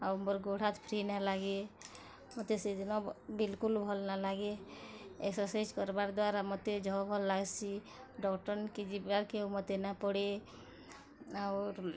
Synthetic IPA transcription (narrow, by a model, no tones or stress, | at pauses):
aʊɾmɔɾɡoɽ̤at̪pʰɾinalaɡe | mɔt̪esed͡ʒ̪nɔbilkulbʱɔlnalaɡe | ḛksɔsed͡ʒkɔɾbaɾd̪waɾamɔt̪ed͡ʒɔbʱɔlːaɡsʰi | ɖɔkʈɔɾnkid͡ʒibaɾkeomɔt̪enapɔɽe | aʊɾ